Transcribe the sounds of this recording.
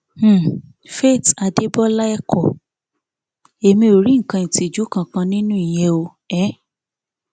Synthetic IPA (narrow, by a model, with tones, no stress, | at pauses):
fe˦˨ta˧de˦bɔ˦la˦ɛ˦kʰɔ˨ | e˨mĩ˧o˨ɾi˨˦ŋ̩˨kã˧ĩ˨ti˨d͡ʒu˨˦kã˧kã˧nĩ˦nũ˦i˨j̃ɛ̃˧o˧ | ɛ˨˦